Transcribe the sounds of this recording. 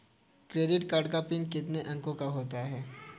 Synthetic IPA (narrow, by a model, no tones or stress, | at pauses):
kɾeːɖɪʈkaːɾɖkapɪnkɪt̪neʔɐ̃ŋkõkaɦoːt̪aɦɛː